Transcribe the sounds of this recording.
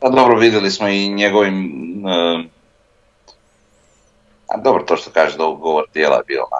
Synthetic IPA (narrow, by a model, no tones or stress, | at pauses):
pad̪obɾoʋid̪jelismoiɲeɡoʋimə | a̰d̪obɾot̪oʃt̪o̥kaːʒed̪ouɡoʋoɾt̪jeːla̰jebḭːlˠo̰na̰